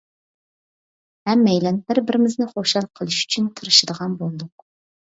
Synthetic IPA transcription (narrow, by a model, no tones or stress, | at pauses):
hɛmːɛjlɛnbɪɾbɪɾɪmɪznɪχoʃɑlˠqʰəlˠɨʃy̥t͡ʃʰynt̪ʰəɾɨʃɨd̪əʁɑnbolˠd̪ʊq̚